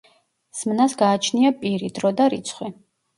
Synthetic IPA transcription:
smnasɡaːt͡ʃʰniapʼiɾid̪ɾɔd̪aɾit̪sʰχwi

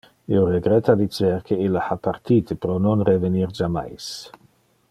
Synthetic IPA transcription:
ioɾeɡɾet̪ad̪it͡ʃeɾkʰeilːaxapart̪iːt̪epɾononɾeveniɾd͡ʒama̰js

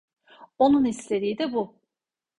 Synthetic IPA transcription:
onunisled̪id̪ɪbu

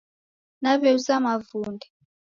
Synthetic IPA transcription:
naβɛusamavuːndʱi

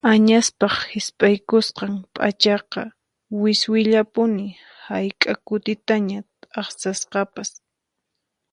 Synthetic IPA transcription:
aɲaspɑχhɪspʼajkʊsqɑŋpʼa̰t͡ʃɑqɑ | wɪswɪʎapʊnɪ | hajkʼakʊt̪ɪt̪aɲa | ɑχsasqɑpas

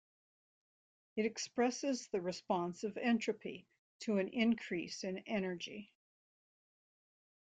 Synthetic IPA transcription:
ɨɾɨkspɹɛsɨzðɨɹɨspɑ̃nsʌvɛ̃nt͡ʃɹ̥ɨpḭ | ɾʰɨɨ̃nʔɪ̃nkʰɹ̥isɨ̃nɛñə˞d͡ʒḭ

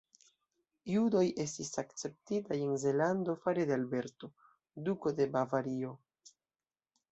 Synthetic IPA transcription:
judo̞je̞stisakt͡se̞p̚titaje̞nze̞lando̞faɾedealbe̞ɾto̞ | duko̞de̞bavaɾio̞

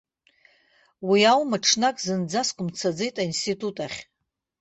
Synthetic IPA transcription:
wiawmaʈ͡ʂʰnakʼzɨnd͡zaskʷʼʊmt͡sʰad͡zejtʼainstʰitʰʼutʼaχʲ

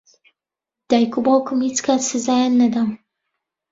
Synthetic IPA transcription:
d̪̥aːjkubaːkumhit͡skʰaːt̪sɨzaːjanːɐd̪am

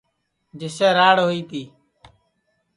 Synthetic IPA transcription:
d͡ʒɪseːɾaːɽɦoːiːt̪iː

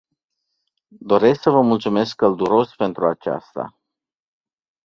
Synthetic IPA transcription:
d̪o̞ɾe̞sksəvəmult̪sume̞skːəld̪uɾo̞spe̞nt̪ɾuat͡ʃa̰st̪a̰

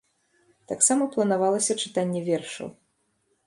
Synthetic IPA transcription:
t̪aksamɐplˠɐnavalˠɐsʲɐt͡ʂɨ̥t̪anʲːɛvʲɛrʂɐ̰w

